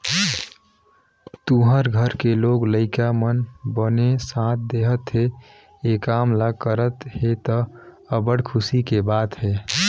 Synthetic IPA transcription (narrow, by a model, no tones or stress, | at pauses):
t̪uɦəɾɡʱəɾkeloːɡləɪkamənbənesãt̪̚ʰd̪eɦət̪ɦe | ekamlakəɾət̪ɦet̪ɔ | əbəɽkʰʊsikebaːt̪ɦeː